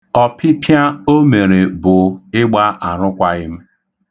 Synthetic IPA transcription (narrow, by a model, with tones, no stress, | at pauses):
ɔ˦pʰɪ˦pʰja˦o˦me˨ɾe˨bʊ˨ɪ˦ɡ͡ba˦ʔa˨ɾʊ˦kʷa˦ɣɪ˦m̩˦